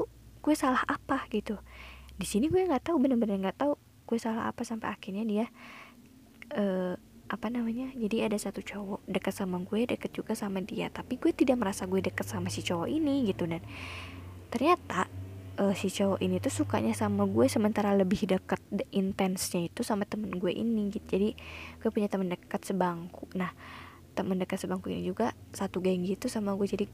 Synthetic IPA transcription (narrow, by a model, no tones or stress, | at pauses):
auɡ̥uɛsalahapaɡ̥it̪udisiniɡuɛŋɡaʔt̪aubənərbənərŋɡaʔt̪au | ɡ̥uɛsalaɦa̰pasampa̰jakirɲadija | əː | ʔapanamaɲad͡ʒadiadasat̪ut͡ʃɔwɔdəkət̪samaɡuɛdəkət̪̚d͡ʒuɡasamadia̰t̪apiɡuɛt̪idaʔməɾasaɡuɛdəkət̪̚samasit͡ʃowɔʔiniɡit̪udan | t̪ərɲat̪aəːsit͡ʃɔwɔʔinit̪usuka̰ɲasamaɡuɛsəmənt̪aɾaləbɪhdəkət̪̚int̪ɛnsɲait̪usamat̪əmənɡuɛʔḭniɡit̪d͡ʒadiɡ̥uɛpuɲat̪əməndəkət̪səbaŋkuʔnah | t̪əməndəkət̪səbaŋkuja̰nŋd͡ʒuɡasat̪uɡaŋɡit̪usamaɡuɛd͡ʒadi